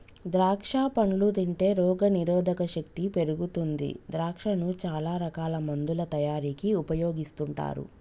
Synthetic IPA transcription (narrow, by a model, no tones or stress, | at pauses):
d̪ɾaːkʂaːpɐɳlut̪iɳʈe̞ːɾɔːɡɐniɾɔːd̪ʱɐkɐʃɐk̚t̪ipe̞ɾuɡut̪und̪ḭd̪ɾaːkʂɐnut͡ʃaːlaːɾɐkaːlɐmɐnd̪ulɐt̪ɐjaːɾiːkiupɐjoːɡist̪uɳʈa̰ːɾṵ